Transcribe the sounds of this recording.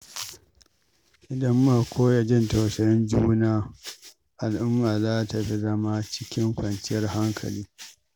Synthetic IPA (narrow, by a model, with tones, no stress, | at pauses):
ʔɪ˨dɐ˦mːa˦˨kʷʰoː˦ja˨d͡ʒɪ˦nta˨sɐ˨jɪ˦nd͡ʒuː˦naː˦ | ʔa˨lʔʊ˦mbaː˨zaː˦ta˨ɸi˦zɐ˦ma˦t͡ʃɪ̥˦kʲɪ˦ŋkʷɐ˨nt͡ʃɪ˦jɐ˦rha˦ŋkʰɐ̰˨liː˦